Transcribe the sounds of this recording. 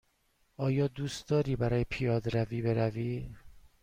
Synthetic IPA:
ʔɒːjɒːd̪uːst̪̚d̪ɒːɾiːbæɾɒːjepʰijɒːd̪ɾæviːbe̞ɾæviː

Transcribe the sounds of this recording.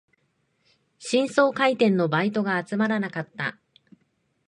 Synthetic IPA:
ɕĩɰ̃so̞ːkait̪ẽ̞nːo̞bait̪o̞ɡaːt͡sɨmaɾanakat̪ːa̰

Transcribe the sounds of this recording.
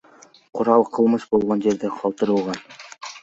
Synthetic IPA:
qʰʊɾɑlˠqʰɯlˠmɯʃbo̞lˠʁo̞nd͡ʒe̞ɾd̪eqʰɑlˠt̪ɯɾɯlˠʁɑn

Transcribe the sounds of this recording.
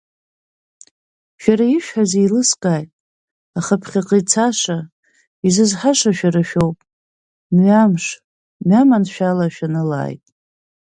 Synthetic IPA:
ʃᶣaɾaiʃᶣħazejlɨskʼaːjtʼ | aχapʰχʲaqʼijt͡sʰaʂa | izɨzħaʂaʃᶣaɾaʃᶣowpʼ | mɥamʂ | mɥamanʃᶣalaʃᶣanɨla̰ːjtʼ

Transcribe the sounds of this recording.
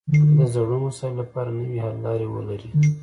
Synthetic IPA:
d̪əzaɽommasɑɪlːapɑɾanəwihalːɑɾewə̰laɾi

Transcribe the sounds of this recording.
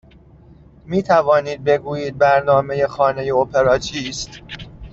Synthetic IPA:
miːt̪ʰævɒːniːd̪̚be̞ɡuːjiːd̪̚bæɾnɒːmeje̞xɒːne̞jeopʰe̞ɾɒːt͡ʃʰiːst̪

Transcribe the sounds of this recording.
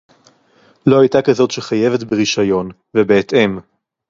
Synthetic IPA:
lo̞ajtakazo̞tʃeχaje̞ve̞tbeʁiʃajo̞n | vebeːtʔe̞m

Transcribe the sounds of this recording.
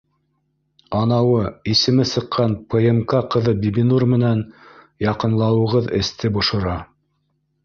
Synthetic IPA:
ɑnɑwɤisɘ̆mɘsɤ̆qʰːɑnpʰɤ̆emkɑqɤ̆ðɤbʲibinurmɘ̆næn | jɑqɤ̆nlˠɑwɤ̆ʁɤðɘ̰̆st̪ɘbŏʃŏɾɑ

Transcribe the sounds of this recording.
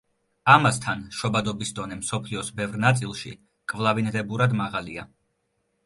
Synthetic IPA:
amast̪ʰanʃɔbad̪ɔbisd̪ɔnɛmsɔpʰliɔsbɛvɾnat̪sʼilˠʃḭ | kʼvlˠavindɛbuɾad̪maʁalḭa

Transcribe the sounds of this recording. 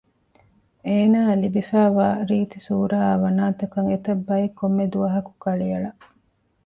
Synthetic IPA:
eːnaːlibifæːʋaːɾiːt̪isuːɾaːʋɐnaːt̪ɐkɐŋet̪ɐbːɐekːomːed̪uʋɐɦɐku̥kɐɭijɐɭɐʔ

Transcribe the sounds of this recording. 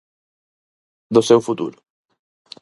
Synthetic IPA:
d̪ʊsewfut̪ṵɾʊ

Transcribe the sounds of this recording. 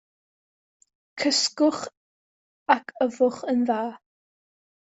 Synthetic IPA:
kʰəskʊχ | akʰəvʊχənðaː

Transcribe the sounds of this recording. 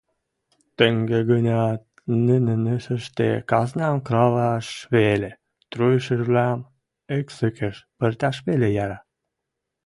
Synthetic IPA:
t̪əŋɡeɡənʲɑ | nənĕnə̆ʃə̆ʃt̪ḛkɑznʲɑmkɾɑlɑʃβele | t̪ɾujəʃə̆ʒβlæm | eksəkĕʃpə̆rt̪ʲɑʃβelejɑɾɑ

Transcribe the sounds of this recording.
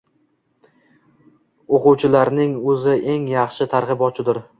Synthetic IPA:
oqʊwt͡ʃʰɪlaɾnɪŋɵzɪʔe̞ŋjɑχʃɪt̪ʰaɾʁɨbɒt͡ʃʰɪd̪ɪɾ

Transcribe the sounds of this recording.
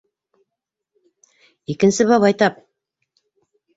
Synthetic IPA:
ikɘ̆nsɘβɑβɑjt̪ɑp̚

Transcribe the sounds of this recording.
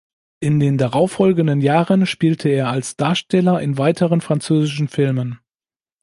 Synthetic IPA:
ʔɪndeːndaʁaʊfɔlɡən̩dənjaːʁənʃpiːltʰəeːɐalsd̥aːɐʃtɛlɐʔɪnvaɪtʰəʁənfʁ̥ant͡søːzɪʃn̩fɪlmən

